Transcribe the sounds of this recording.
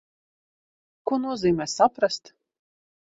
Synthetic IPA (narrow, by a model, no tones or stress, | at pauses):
kuɔnuɔziːmʲɛːsapɾast̪